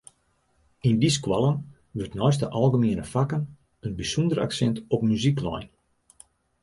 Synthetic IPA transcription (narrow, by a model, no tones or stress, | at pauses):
indiskwalˠən | ʋørtnɔjstəʔɑlˠɣəmiənəfakən | ənbisundəra̰ksɛntɔpmyziklɔ̰jn